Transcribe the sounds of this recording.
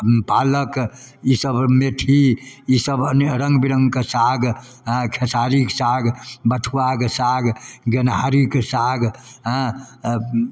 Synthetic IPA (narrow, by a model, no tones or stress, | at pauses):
paləkisəbmet̪ʰiisəbənɾəŋɡbiɾəŋɡkesaɡ | ɦkʰesaɾiksaɡbəʈʰuakesaɡɡenɦaɾiksaɡɦə̃